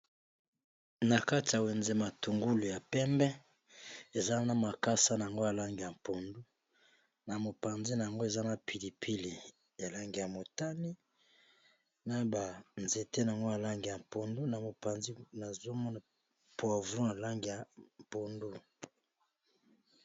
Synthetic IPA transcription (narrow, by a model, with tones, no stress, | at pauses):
na˨ka˦ti˨ja˨we˨nze˦ma˨tu˨ŋɡu˦lu˨ja˨pɛ˦mbɛ˦ | e˨za˦na˨ma˨ka˦sa˦na˨a˨ŋɡo˦ja˨la˦ŋɡi˨ja˨m˨po˨ndu˦ | na˨mo˨pa˨nzi˦na˨a˨ŋɡo˦e˨za˦na˨pʰi˨li˨pʰi˦li˨ | ja˨la˦ŋɡi˨ja˨mo˨ta˦ni˦ | na˦ba˨nze˨te˦na˨a˨ŋɡo˦ja˨la˦ŋɡi˨ja˨mpo˨ndu˦na˨mo˨pa˨nzi˦na˨zo˦mɔ˦na˨ | po˦a˨vɾu˦na˨la˦ŋɡi˨ja˨m˨po˨ndu˦